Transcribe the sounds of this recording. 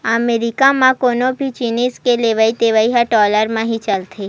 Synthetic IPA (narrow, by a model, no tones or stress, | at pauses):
əmeɾikamãkonobʱit͡ʃiniskeleʋait̪eʋaiɦaʈɔləɾmãɦit͡ʃalt̪ʰe